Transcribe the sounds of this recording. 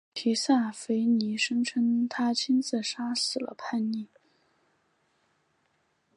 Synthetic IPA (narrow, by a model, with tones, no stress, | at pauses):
tʰi˧˥sa˥˩fe˧˥ɪni˧˥ʂɤ˥ŋʈ͡ʂʰə˥ŋt̪ʰa˥t͡ɕʰi˥nt͡s̩˥˩ʂa˥sɹ̩˨˩lə̰˦pʰa˥˧nni˥˩